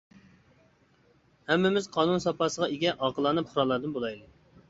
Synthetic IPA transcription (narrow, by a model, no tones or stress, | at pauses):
hɛmːɪmɪzqʰɑːnunsɑpɑːsəʁɑeɡʲɛʔɑːqəlˠɑnɨp̚χʊɾɑlˠːɑɾd̪ɨnbolˠɑjd̪ɨ